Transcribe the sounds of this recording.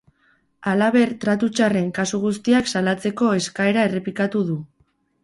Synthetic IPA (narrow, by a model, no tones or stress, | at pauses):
alaβ̞e̞ɾt̪ɾat̪ut͡ʃare̞ŋkasuɣ̞ust̪iaksalat͡se̞ko̞e̞skae̞ɾae̞re̞pikat̪uðu